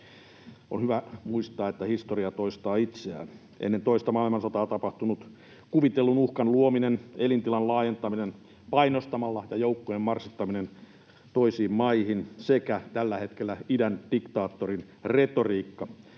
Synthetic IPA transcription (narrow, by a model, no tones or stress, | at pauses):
o̰nhyʋæmuist̪ɑːet̪ːæhist̪oriɑt̪oist̪ɑːit̪seæ̰ːn | ʔḛnːent̪oist̪ɑmɑilmɑnsot̪ɑːt̪ɑpɑht̪unut̪ | kuʋit̪elːunuhkɑnluominenelint̪ilɑnlɑːjent̪ɑminen | pɑinost̪ɑmɑlːɑjɑjoukːojemmɑrsit̪ːɑminen | t̪oisiːmmɑihinsekæt̪ælːæhet̪kelːæidænd̥ikt̪ɑːt̪ːorin | ret̪oriːkːɑ